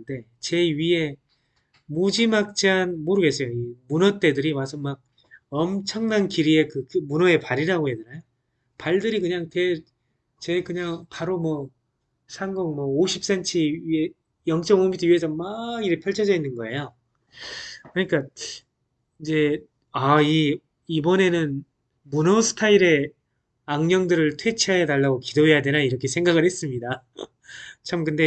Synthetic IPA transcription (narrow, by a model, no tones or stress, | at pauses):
nde̞t͡ɕe̞ɥie̞ | mud͡ʑimak̚t͡ɕianmoɾɯɡe̞s͈ʌjoimunʌt͈e̞dɯɾimasʰɯnmaɡ̚ | ʌmt͡ɕʰʌŋnankiɾie̞kɯkɯmunʌe̞paɾiɾaɡoɦedɯɾajo | paɭdɯɾikɯɲaŋte | t͡ɕe̞kɯɲaŋpaɾomwʌ | sʰaŋɡʌŋmwʌoɕʰip̚s͈ent͡ɕʰiie | jʌŋt͡ɕ͈ʌŋomitʰɯɥiesʰʌmaɡiɾepʰjʌɭt͡ɕʰʌd͡ʑʌinːɯnɡʌe̞jo | kɯɾʌɲik͈a | ind͡ʑe̞ | ai | ibʌne̞nɯn | munosʰɯ̥tʰaiɾe̞ | aŋɲʌŋdɯɾɯɭtʰwe̞t͡ɕʰiajanaɭːaɡokidoɦe̞jade̞naiɾʌkʰe̞s̬ʰe̞ŋɡaɡɯɭhe̞s͈ɯmɲida | t͡ɕʰamkɯnde̞